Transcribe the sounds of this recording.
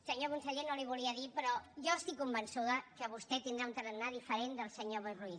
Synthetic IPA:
səɲokunsəʎenoliβuliəðipɾɔʒɔəst̪ikːumbənsuðəkəβust̪ɛt̪ind̪ɾaunt̪əɾənːaðifəɾend̪əlˠsəɲoβərui

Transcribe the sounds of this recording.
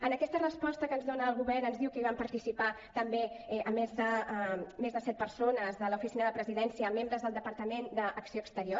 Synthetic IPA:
ənəkɛst̪ərəspɔst̪əkənzðonəːlˠɣuβɛɾnənzðiwkəiβampəɾt̪isipa | t̪əmbeʔəmːezðəmezðəsɛt̪̚pəɾsonəzðələufisinəðəpɾəziðɛnsiəːmːembɾəzðəlˠd̪əpəɾt̪əmend̪əʔːksioːəkst̪əɾio

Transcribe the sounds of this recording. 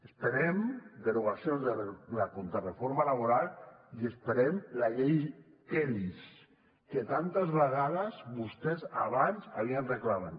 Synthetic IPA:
espeɾemd̪eɾuɣasjonzðəlakont̪ɾarefoɾmalaβoɾalˠiespeɾemlaʎej | eɾis | ket̪ant̪azβeɣaðəzβust̪eza̰βanza̰βianreklaman

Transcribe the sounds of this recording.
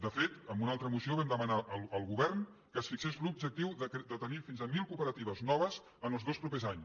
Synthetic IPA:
d̪əfet̪əmbunalˠt̪ɾəmusioβɛmd̪əmənaʔəlˠəlˠɣuβɛrn | kəsfiksezlubd͡ʒək̚t̪iwðəkd̪ət̪ənifinzəmilˠkupəɾət̪iβəznɔβ̞əz | ənəlˠzðospɾupezaɲ

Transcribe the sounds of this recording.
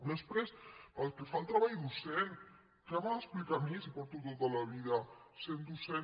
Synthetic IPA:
d̪əspɾesəlkefalˠt̪ɾaβajd̪usen | kaβaesplikaɾmisipoɾt̪ut̪ot̪alaβiðasend̪use

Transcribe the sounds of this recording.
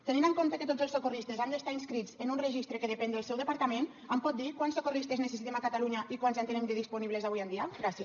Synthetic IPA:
t̪əninəŋkomt̪əkət̪od͡zəlˠsokurist̪ezand̪əst̪ainskɾid͡zənunrəʒist̪ɾəkəðəpɛnəlˠsɛwðəpaɾt̪amen | əmpɔt̪̚d̪ikwansokurist̪eznəsesit̪emakat̪aluɲəʔikwanzant̪ənemd̪əðispuniβləzaβujənd̪iəɡɾasi

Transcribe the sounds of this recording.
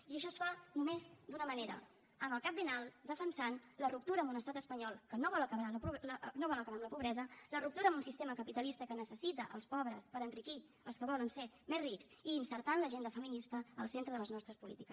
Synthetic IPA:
iəʃ̬ɔsfanumezd̪unəməneɾə̰ | əməlˠkap̚binalˠd̪əfənsanlərup̚t̪uɾəmunəst̪at̪əspəɲɔlˠkənoβɔlˠəkəβɾaləpnoβɔləkəβaəmləpuβɾɛzələrup̚t̪uɾəmunsist̪eməkəpit̪əlist̪əkənəsəsit̪əʔə̰lˠspɔβɾəspəɾənriki | əlˠskəβɔlənse | mezriksiːnsəɾt̪anləʒend̪əfəminist̪əːlˠsent̪ɾəðələznɔst̪ɾəspulḭt̪ikəs

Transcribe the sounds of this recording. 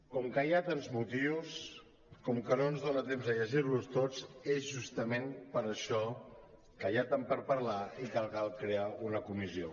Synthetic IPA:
kɔmkəjat̪anzmut̪iws | kɔmkənoənzðonət̪emzəʎəʒirlust̪ot͡sezʒust̪əmenpəɾəʃɔ | kəjat̪ampəɾpəɾlaikalˠkalˠkɾeaunəkumizio

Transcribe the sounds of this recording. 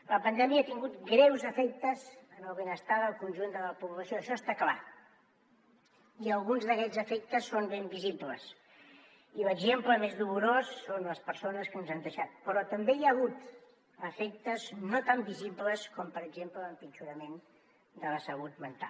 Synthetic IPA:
ləpənd̪ɛmiaat̪iŋɡut̪ɡɾɛwzəfɛk̚t̪əzənəlˠβenəst̪aðəlˠkunʲʒund̪ələpuβləsioəʃɔst̪akla̰ | iəlˠɣunzðəkɛd͡zəfɛk̚t̪əsːombembiziblə̰s | iləɡʒempləmezðuluɾosːonləspəɾsonəskənzand̪əʃat̪̚pəɾɔt̪əmbejaɣ̞ut̪ | əfɛk̚t̪əznot̪ambizibləskɔmpəɾəɡʒempləːlˠpint͡ʃuɾəmen | d̪ələsəut̪̚mənt̪a̰

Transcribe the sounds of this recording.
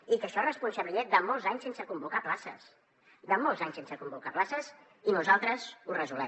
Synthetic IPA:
ikəʃɔrəspunsəβlied̪əmɔlˠzaɲsensəkumbukaplasə̰s | d̪əmɔlˠzaɲsensəkumbukaplasəz | inuzalˠt̪ɾəzurəzulɛ

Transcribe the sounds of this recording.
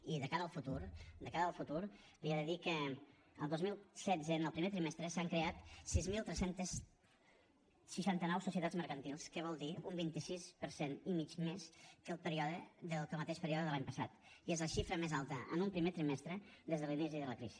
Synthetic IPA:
iðəkaɾəlˠfut̪uɾd̪əkaɾəlˠfut̪uɾ | liaðəðikə | əlˠd̪ozmilˠsɛd͡zənəlˠpɾimet̪ɾimɛst̪ɾəsaŋkɾeat̪sizmilˠt̪ɾɛsent̪əs | əʃant̪ənɔwsusiət̪azməɾkənt̪ilˠskəβ̞ɔlˠd̪iumbint̪isispəɾsenimit͡ʃmeskəlˠpəɾiɔðəðəkəlˠmət̪eʃpəɾiɔðəðəlaɲpəsa̰t̪iezləʃifɾəmezalˠt̪əʔə̰numpɾimet̪ɾimɛst̪ɾəðezðəlinisiðələkɾizi̥

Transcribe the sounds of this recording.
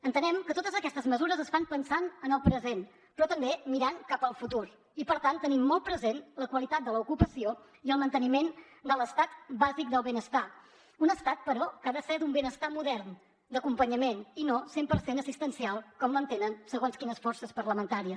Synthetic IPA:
ənt̪ənɛmkət̪ot̪əzəkɛst̪əzməzuɾəzəsfanpənsanənəlˠpɾəzen | pɾɔt̪əmbemiɾankapəlˠfut̪uɾ | ipəɾt̪ant̪ːənimːɔlˠt̪̚pɾəzenləkwəlit̪at̪̚d̪ələukupəsio | iəlˠmənt̪ənimen | d̪ələst̪at̪bazik̚d̪əlˠβenəst̪a | unəst̪at̪̚pəɾɔkaðəsɛɾd̪umbenəst̪amuðɛrn | d̪əkumpəɲəmeninosempəɾsenəsist̪ənsialˠkɔmlənt̪enənsəɣonskinəsfɔrsəspəɾləmənt̪aɾiə

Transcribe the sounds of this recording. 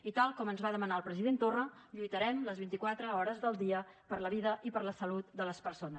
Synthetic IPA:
it̪alˠkɔmənzβaðəmənaəlˠpɾəziðent̪orəʎujt̪əɾɛmləzβint̪ikwat̪ɾəɔɾəzðəlˠd̪iəpəɾləβ̞iðəʔipəɾləsəlut̪̚d̪ələspəɾsonə

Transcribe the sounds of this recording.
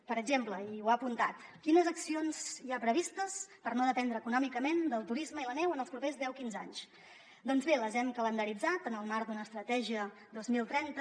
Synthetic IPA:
pəɾəɡʒempləiwaəpunt̪at̪kinəzəksionz̥iapɾəβ̞ist̪əspəɾnoðəpɛnd̪ɾəːkunɔmikəmend̪əlˠt̪uɾizməilənɛwənəlˠspɾupezðɛwkinza̰ɲs | d̪ɔnzβeləzɛmkələnd̪əɾid͡zat̪ənəlˠmaɾd̪unəːst̪ɾət̪ɛʒiə | d̪ozmilˠt̪ɾɛnt̪ə

